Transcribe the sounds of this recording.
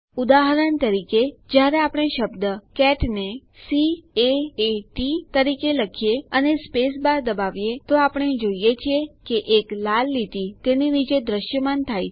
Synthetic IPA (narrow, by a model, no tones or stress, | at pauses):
ud̪aɦəɾənt̪əɾiked͡ʒjaɾeapɽ̃eʃəbd̪əkɛʈne | sieeʈit̪əɾikeləkʰijeənespesbaɾd̪əbaʋjet̪oapəɳ̃ed͡ʒoijet͡ʃʰijekeʔeklalːit̪it̪eninid͡ʒed̪ɾəʃjəmant̪ʰaj